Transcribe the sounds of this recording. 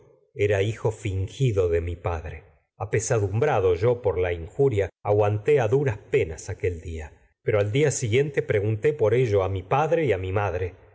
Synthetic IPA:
eɾaixo̞fiŋxiðoðemipaðɾe | apesaðumbɾaðo̞ʒo̞poɾlaiŋxuɾjaaɣwant̪e̞aðuɾaspe̞nasake̞ld̪ia | peɾo̞ald̪iasiɣje̞nt̪e̞pɾeɣunt̪e̞po̞ɾeʒoamipaðɾeiamimaðɾe̞

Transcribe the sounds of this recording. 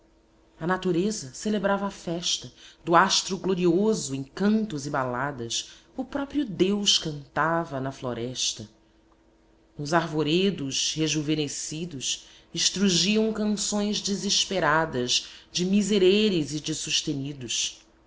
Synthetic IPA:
ɐnat̪uɾezɐselebɾavɐːfɛʃt̪ɐd̪ʊaʃt̪ɾʊɡloɾiozʊẽj̃kɐ̃nt̪ʊzɪbalad̪ɐsʊpɾɔpɾiʊd̪ewʃkɐ̃nt̪avɐnɐfloɾɛʃt̪ɐ | nʊzaɾvoɾed̪ʊʃheʒuvenesid̪ʊʃ | ɪʃt̪ɾuʒiɐ̃w̃kɐ̃sõj̃zd͡ʒiziʃpeɾad̪ɐzd͡ʒɪmizeɾeɾɪzɪd͡ʒɪsuʃt̪enid̪ʊʃ

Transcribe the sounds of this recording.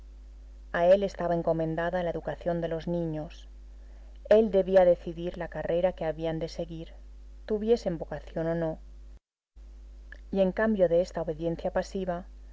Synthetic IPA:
ae̞le̞st̪aβae̞ŋko̞mẽ̞nd̪aðalae̞ðukaθjo̞nd̪e̞lo̞znĩɲo̞s | e̞ld̪e̞βiaðe̞θiðiɾlakare̞ɾake̞aβiand̪e̞se̞ɣiɾ | t̪uβje̞se̞mbo̞kaθjo̞no̞no̞ | ie̞ŋkambjo̞ðe̞est̪aoβe̞ðje̞n̟θjapasiβa

